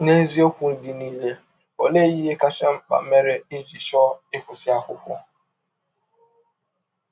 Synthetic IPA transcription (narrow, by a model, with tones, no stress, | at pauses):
ne˦n̩˦zi˦o˦kʷu˨n̩˨di˨ni˦le˨ | o˨le˦ji˦ɦe˦ka˦ʃa˦m̩˦k͡pa̰˨˦me˦ɾɪ˦ɪ˦d͡ʒi˨ʃɔ˦ɪ˦kʷʊ˨sɪ˦a˦kʊ̰˨kʷʊ̰˦